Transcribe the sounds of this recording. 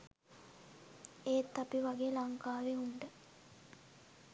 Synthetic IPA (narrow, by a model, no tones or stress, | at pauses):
eːt̪ːapiʋaɡeːlaŋkaːʋeunɖə